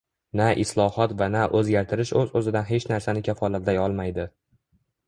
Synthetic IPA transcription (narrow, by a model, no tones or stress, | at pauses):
naʔɪslˠɒhɒt̪vanaʔɵzɡʲaɾt̪ʰɪɾɪʃɵzɵzɪd̪anɦe̞t͡ʃnaɾsanɪkʲʰafɒlat̪lajɒlˠmajd̪ɪ